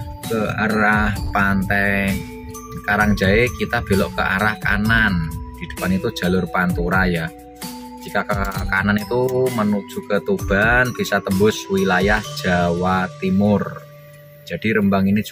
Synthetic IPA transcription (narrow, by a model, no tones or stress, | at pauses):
kəaɾahpant̪ɛ | kaɾaŋʒ̥aekit̪ab̥e̤lɔʔkəʔa̰ɾahka̰nand̪̥i̤d̥ə̥panit̪ud̥ʒ̥a̤lʊrpant̪uɾajḁ | d͡ʒ̥ikakkananit̪umənud̥ʒ̥ṳkət̪ub̥a̤nb̥i̤sat̪əmbʊswilajahd̥ʒ̥a̤wat̪imʊr | d̥ʒ̥a̤d̥i̤ɾəmbaŋini